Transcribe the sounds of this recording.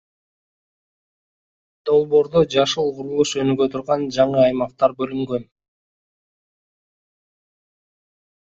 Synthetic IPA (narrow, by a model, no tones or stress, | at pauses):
d̪̥o̞lˠbo̞ːɾd̪od͡ʒɑʃɯlˠqʊɾulˠuʃø̞nyɡøt̪ʰuɾʁɑnd͡ʒɑɴɯɑjmɑq̚t̪ɑɾbø̞lyŋɡø̞n